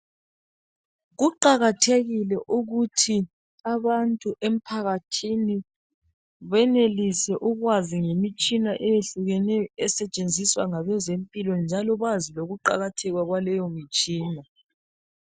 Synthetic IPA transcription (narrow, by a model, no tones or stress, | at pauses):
ɣuǃaɣatʰeɣilɛʔuɣutʰi | aβantʼuʔem̩pʰaɣatʰini | βɛnelisɛʔuɣwaziŋemit͡ʃʼinaʔɛjeɬuɣɛnɛɔɛsɛt͡ʃʼend͡zʱiswaŋaβɛzempʼilɔnd͡ʒʱalɔβaziloɣuǃa̰ɣatʰɛɣwaɣwalɛjɔmit͡ʃʼiːna